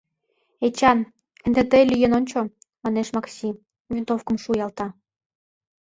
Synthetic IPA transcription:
et͡ɕɑn | end̪et̪elʲyjenonʲt͡ɕo | mɑneʃmɑksʲi | vʲint̪ofkə̆mʃujɑlt̪ɑ

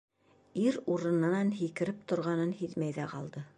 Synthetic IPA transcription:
iɾuɾɤ̆nɤ̆nɑnɦikɘ̆ɾɘp̚t̪ŏɾʁɑnɤnhiðmæjðæqɑ̰lˠd̪ɤ

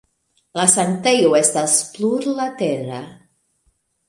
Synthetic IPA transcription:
lasant̪ejwɛst̪alspluɾlat̪ɛra

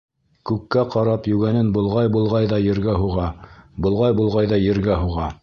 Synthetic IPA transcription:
kʉkːæqɑɾɑpjʉɡænɘnbŏlˠʁɑjbulˠʁɑjðɑjɘ̆ɾɡæɦuʁɑbŏlˠʁɑjbulˠʁɑjðɑjɘ̆ɾɡæɦuʁɑ

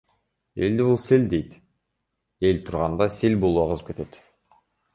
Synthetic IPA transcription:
e̞ld̪ibulˠseld̪e̞jt̪ | e̞lt̪ʰuɾʁɑnd̪ɑselʲbo̞lˠuɑqəzɯp̚ke̞t̪e̞t̪

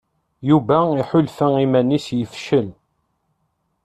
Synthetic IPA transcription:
juvæiħʊlfəimænisjəfʃəl

